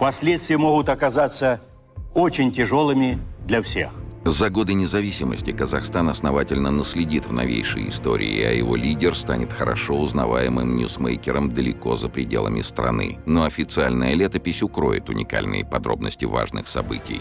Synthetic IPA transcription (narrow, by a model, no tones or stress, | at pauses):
pɐsʲlʲet̪st̪vʲɪjəmoɣʊt̪ɐkɐzat̪sə | ot͡ɕɪnʲtʲɪʐolˠɨmʲɪd̪lʲɐfsʲḛxzɐɡo̞d̪ɨnʲɪzɐvʲisʲɪməsʲtʲɪkəzɐxst̪anɐsnɐvatʲɪlʲnənəsʲlʲɪdʲit̪vnɐvʲejʂə̰jɪst̪o̞̰ɾʲɪ̰ːɐ̰jɪ̰vo̞̰lʲidʲɪrst̪anʲɪt̪xəɾɐ̰ʂoʊznɐ̰vajɪmɨmnʲṵsmejkʲɪɾəmd̪əlʲɪko̞zəpɾʲɪdʲe̞lˠəmʲɪst̪ɾɐ̰nɨ̰noɐfʲɪt̪sɨalʲnəjəlʲet̪əpʲɪsʲʊkɾo̞ɪ̰t̪ʊnʲɪka̰lʲnɨ̰jəpɐd̪ɾo̞̰bnəsʲtʲɪva̰ʐnɨ̰xsɐ̰bɨtʲɪj